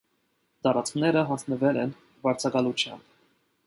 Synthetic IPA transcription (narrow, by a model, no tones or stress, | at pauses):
d̪ɑɾɑt͡sknɛɾəɦɑsnəvɛlɛn | bɑɾt͡sʰɑkɑlut͡ʃʰjɑ̰mb